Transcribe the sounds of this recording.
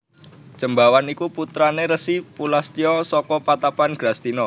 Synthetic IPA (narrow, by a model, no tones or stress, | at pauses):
ʒ̥əmbawanikuput̪ɾaneɾəsipulast̪ijɔsɔkɔpat̪apanɡ̥ɾast̪inɔ